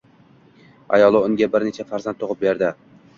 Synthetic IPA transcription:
a̰jɒlˠɪʊŋɡʲabɪɾnet͡ʃʰafaɾzant̪t̪ʰoʁɨp̚beɾd̪ɪ

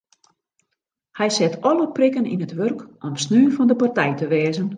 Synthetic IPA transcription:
hɛjsɛtʰɔləprɪkənḭnətʋørkʔɔmsnyːfɔndəpartɛjtəʋɛːzən

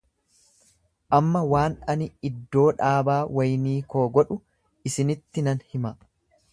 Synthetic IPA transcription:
ʔɐmːɐwaːnɐnɪɪd̪ːo̞ːᶑaːbaːwɐjniːko̞ːɡɔᶑʊ | ɪsɪnɪt̪ːɪnɐnhɪmɐ

